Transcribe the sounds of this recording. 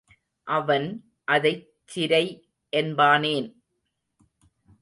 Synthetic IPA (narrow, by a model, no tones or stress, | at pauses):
ʔɐʋɐn | ʔɐðɐɪ | t͡ʃːɪɾɐɪ | ʔɛnbaːneːn